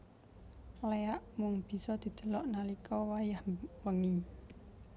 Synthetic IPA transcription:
leaʔmʊŋb̥i̤sɔd̪̥i̤d̪̥ə̤lɔʔnalikɔwajahwəŋi

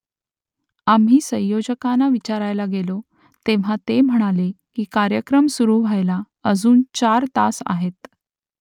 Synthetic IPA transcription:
am̤ɦiːsə̃j̃jod͡ʑəkanaʋit͡ɕaɾajlaɡelo | t̪eʋ̤at̪em̤əɽ̃alekiːkaɾjəkɾəmsuɾuːʋajla | əd͡zuːnt͡ɕaɾt̪a̰sa̰ɦet̪

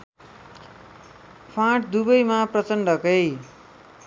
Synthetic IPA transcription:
pʰãʈ̚d̪ubʌjmaprʌt͡sʌnɖʌkʌj

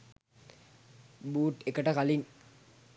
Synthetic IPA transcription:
buːʈekəʈəkaliŋ

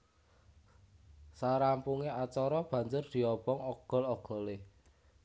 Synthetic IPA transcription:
saɾampuŋeat͡ʃɔɾɔb̥ä̤ɲd͡ʒʊrd̪̥i̤ɔb̥ɔŋɔɡ̥ɔ̤lɔɡ̥ɔ̤le

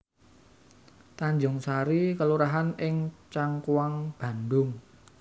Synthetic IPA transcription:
t̪aɲd͡ʒʊŋsaɾikəluɾaɦanɪŋt͡ʃaŋkuwaŋb̥ä̤nd̪ʊŋ

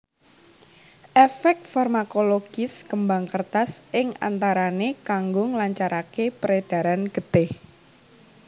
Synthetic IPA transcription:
ʔefɛk̚t̪̚farmakoloɡ̥ɪskəmbaŋkərt̪asɪŋa̰nt̪aɾanekaŋɡʊŋlaɲt͡ʃaɾakepɾed̪̥a̤ɾanɡ̥ət̪ɪh

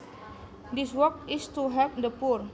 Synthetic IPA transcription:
diswɔkɪstuɦɛvdəpuɹ

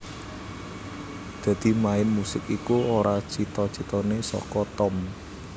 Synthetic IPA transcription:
d̪̥ä̤d̪̥i̤maɪnmusɪkikuoɾat͡ʃit̪ɔt͡ʃit̪ɔnesɔ̰kɔt̪ɔm

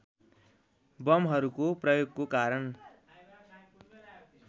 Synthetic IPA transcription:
bʌmɦʌɾukoprʌjoɡkokaɾʌn

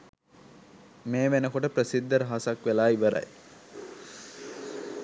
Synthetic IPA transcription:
meːʋenəkoʈəpɾəsid̪ːəɾəɦasɐkʋelaːiʋəɾɐ̰j

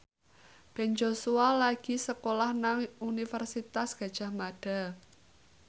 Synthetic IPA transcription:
b̥ɛ̤nd͡ʒosualaɡ̥i̤səkolahnaŋunifərsit̪asɡ̥ä̤d̥ʒ̥a̤hmaɖ̥a̤

